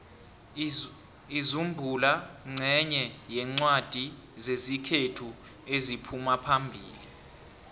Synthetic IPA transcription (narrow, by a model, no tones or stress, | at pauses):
izumbʱulaŋ͡ǀʱɛɲɛjɛŋ͡ǀwad̥ʱi | zezikʰetʰu | ezipʰumapʰambʱḭːli